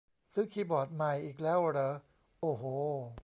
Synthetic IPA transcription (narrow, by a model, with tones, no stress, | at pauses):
sɯː˦˥kʰiː˧˥bɔː˨˩t̪̚ma˨˩jʔiː˨˩k̬̚lɛː˦˥˩wʔɾɤː˨˦ | ʔoː˧˩ɦoː˨˧˩